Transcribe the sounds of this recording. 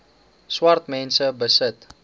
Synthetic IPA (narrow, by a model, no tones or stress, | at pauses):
swɐrt̪mɛnsəbəsət̪